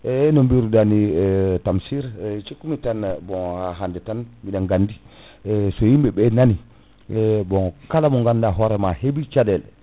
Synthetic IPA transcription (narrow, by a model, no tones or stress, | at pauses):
ɛnɔmbiɾudanitamsiɾt͡ʃekːumitanbɔhaɦandɛtanmiɗaŋɡandi | sɔjimbɛbɛnani | bɔkalamɔŋɡandaɦɔɾɛmahebit͡ʃadɛl